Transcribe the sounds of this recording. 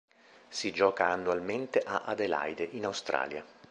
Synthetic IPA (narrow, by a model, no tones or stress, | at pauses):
sid͡ʒɔːkaːnːualment̪eʔaʔad̪ela̰jd̪eʔinawst̪ɾa̰ːlja̰